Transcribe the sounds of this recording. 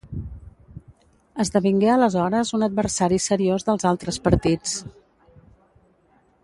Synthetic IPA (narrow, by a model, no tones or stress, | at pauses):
əzðəβiŋɡeələzɔɾəzunəd̪̚bβəɾsaɾisəɾiozðəlˠzalˠt̪ɾəspəɾt̪it͡s